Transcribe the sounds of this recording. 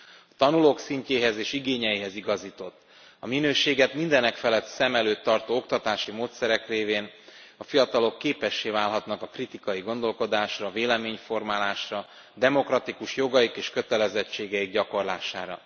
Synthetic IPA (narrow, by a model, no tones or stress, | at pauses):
ɒt̪ɒnuloːksiɲceːɦɛzeːʃiɡeːɲɛjiɦɛziɡɒziːt̪o̞t̪ː | ɒminøːʃeːɡɛt̪mind̪ɛnɛkfɛlɛt̪sɛmɛløːt̪ːɒrt̪oːo̞kt̪ɒt̪aːʃimoːt̪sɛɾɛkreːveːn | ɒfijɒt̪ɒlo̞kːeːpɛʃːeːvaːlɦɒt̪nɒkɒkrit̪ikɒjiɡo̞nd̪o̞lko̞d̪aːʃrɒveːlɛmeːɲfo̞rmaːlaːʃrɒ | d̪ɛmo̞krɒt̪ikuʃjo̞ɡɒjikeːʃkø̞t̪ɛlɛzɛt͡ʃːeːɡɛiɡɟɒko̞rla̰ːʃaːɾɒ̰